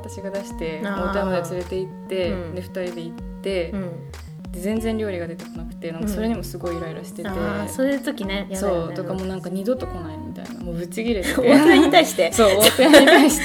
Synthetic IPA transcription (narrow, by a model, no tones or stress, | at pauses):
at̪aɕiɡad̪aɕi̥t̪e̞moːt̪eamad̪et͡sɨɾe̞t̪e̞it̪ːe̞d̪e̞ɸɯ̟̥t̪aɾʲid̪e̞it̪ːe̞ | d̪̥e̞zẽ̞nd͡zẽ̞nɾʲo̞ːɾʲiɡad̪e̞t̪e̞ko̞nakɯ̟̥t̪e̞nãŋkaso̞ɾe̞ɲ̟imo̞sɨɡo̞iɾojiɾɯɕi̥t̪e̞t̪e̞soːjɯt̪o̞kʲineso̞ːt̪o̞kamo̞ːnãŋkaɲ̟id̪o̞t̪ːo̞ko̞naimʲit̪a̰ḭna̰mo̞ːbɯ̟t͡ɕiɡʲiɾet̪eneɲ̟it̪aiɕi̥t̪e̞so̞ːot̪ojaɲɲit̪aiɕi̥